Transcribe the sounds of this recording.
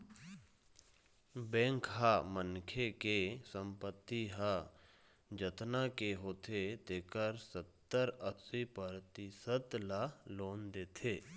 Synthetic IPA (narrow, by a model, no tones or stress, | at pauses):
bɛ̃ːŋkɦamənkʰekesə̃mpət̪ːiɦa | d͡ʒət̪nakeɦoːt̪ʰet̪eːkəɾsət̪ːəɾəsipəɾt̪isət̪laloːnd̪eːt̪ʰeː